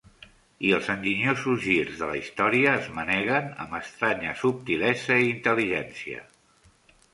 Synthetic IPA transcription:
iəlˠzənd͡ʒiɲozuzʒirzðələist̪ɔɾiəːzmənɛɣənə̰mbəst̪ɾaɲə̰sup̚t̪ilɛzəiːnt̪əliʒɛnsiə̰

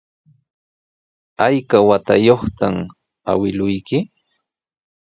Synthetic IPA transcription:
ajkawat̪ajoχt̪am | a̰wɪlʊjkɪ

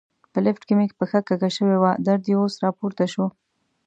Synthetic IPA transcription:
pəlɪfʈkɪmɪkpəxakakaʃəwewad̪aɾd̪eosɾɑpoɾt̪aʃo

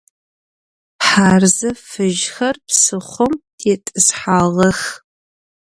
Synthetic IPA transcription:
ħaːrzɐfɨʒxɐrpsɨχʷʊmtʰeːtʼɨsħaːʁɐx

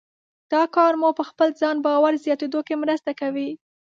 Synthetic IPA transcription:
d̪̥ɑkɑɾmupəxpəlzɑnbɑwaɾzjɑt̪ed̪okemɾəst̪akawi

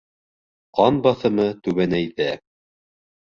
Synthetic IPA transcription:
qɑnbɑθɤ̆mɤt̪ʉβænæjðæ

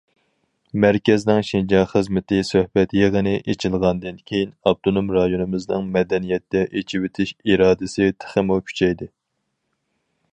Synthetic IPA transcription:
mæɾkʲɛznɪŋʃind͡ʒɑχəzmɪt̪ɪsøhbɛt̪jeʁənɪʔet͡ʃʰɪlˠʁɑnd̪ɪnkʲʰejinɑb̚t̪ʰonomɾɑjonɨmɨznɨŋmɛd̪ɛnijɛt̪ːɛʔet͡ʃʰiwet̪ʰɪʃiɾɑːd̪ɨsɪt̪ʰə̥χəmukʲʰy̥t͡ʃʰɛjd̪ɪ

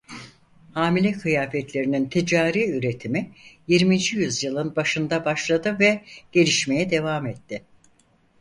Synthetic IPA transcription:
haːmilʲɛkʰɯjaːfɛt̪lʲe̞ɾinint̪ʰid͡ʒaːɾiːyɾe̞t̪ʰimijiɾmind͡ʒijyzjɯlˠɯnbaʃɯnd̪abaʃlˠad̪ɯvɛɟ̥e̞lʲiʃme̞jɛd̪e̞vaːmɛt̪ːɪ

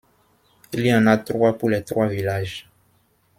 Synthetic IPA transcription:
iliãnat̪rwapulɛt̪ɾwavilaʒ

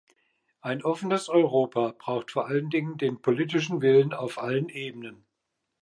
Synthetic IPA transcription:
ʔaɪnʔɔfən̩əsɔʏʁoːpʰab̥ʁaʊxtfoːɐʔaləndɪŋəndeːnpʰoliːtɪʃn̩vɪlənaʊfʔalənʔeːbənən

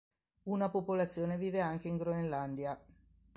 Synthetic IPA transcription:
unapopolat̪sːjoːneviːveaŋk̟eiŋɡɾoenland̪ja

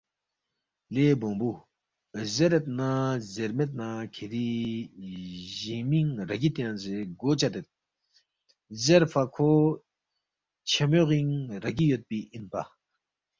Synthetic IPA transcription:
lebobu | zeɾet̪̚nazeɾmet̪̚nakʰeɾi | ʑimiŋɾaɡit̪enzeɡot͡ɕat̪et̪̚ | zeɾpʰakʰo | t͡ɕʰemøʁiŋɾaɡijøt̪̚piʔinpa̰

